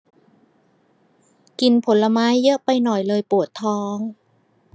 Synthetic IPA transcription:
ki˧npʰo˩˦nla˧maː˦˥jːɤ˦˥ʔpa˧jnɔ˨˩jlɤː˧jpu˨˩ət̪ʰːɔː˦˥ŋ

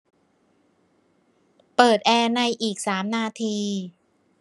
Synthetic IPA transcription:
pɤː˨˩t̪̚ʔɛː˧na˧jʔiː˨˩k̚saː˩˦mnaː˧t̪ʰiː˧

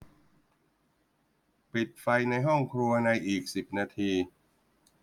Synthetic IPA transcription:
pi˨˩t̪̚fa˧jna˧jɦɔ˥˩ŋkʰɾu˧ɐna˧jʔiː˨˩k̚si˨˩p̚naː˧t̪ʰiː˧

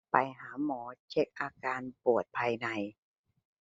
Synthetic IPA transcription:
pa˧jɦaː˩˦mɔː˩˦t͡ɕʰe˦˥k̚ʔaː˧kaː˧npu˨˩ət̪̚pʰaː˧jna˧j

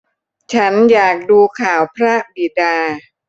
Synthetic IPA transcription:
t͡ɕʰa˦˥njaː˨˩k̚duː˧kʰaː˨˩˦wpʰɾa˦˥bi˨˩daː˧

